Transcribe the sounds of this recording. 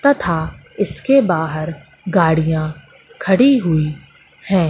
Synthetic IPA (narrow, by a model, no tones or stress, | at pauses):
t̪ɐt̪ʰa | ɪskebaːɦəɾ | ɡaːɽijã | kʰɐɽiɦʊi | hɛ̃ː